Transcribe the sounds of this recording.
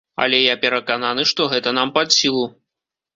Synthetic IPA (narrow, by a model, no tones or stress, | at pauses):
ɐ̰lʲɛjapʲɛɾɐkananɨʂt̪ɔɣɛt̪ɐnampad̪sʲilˠu